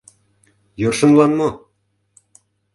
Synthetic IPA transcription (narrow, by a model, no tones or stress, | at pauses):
jorʃɤ̆nlɑnmɤ